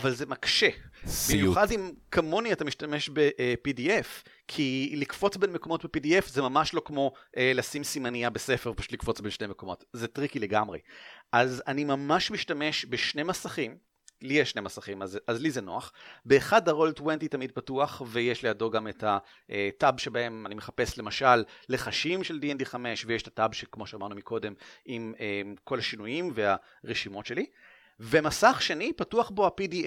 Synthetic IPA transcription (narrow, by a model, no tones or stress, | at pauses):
avalzemakʃeb̥imjuχadimkʰamo̞niatamiʃtameʃbe̞ʔpidief | kʰilikfo̞t͡sbenmeko̞mo̞tbepidiefzemamaʃlo̞kmo̞ʔelasimsimaniabesefeʁpaʃu̥tlikfo̞t͡sbenʃnejmeko̞mo̞tzetʁikileɡamʁḛʔazanimamaʃmiʃtame̞ʃbeʃne̞masaχim | lieʃne̞masaχimazazlizenoaχbeːχadaʁoltwentitamid̚patuaχvejeʃlejado̞ɡametha | ʔetabʃe̞bae̞manimeχape̞sle̞maʃalːe̞χaʃimʃe̞ldiɛndiχame̞ʃvejeʃtatabʃekmo̞ʃeamaʁnumikʰo̞de̞mimemko̞lhaʃinujimvea | ʁeʃimo̞tʃe̞li | vemasaχʃenipatuaχbo̞apidi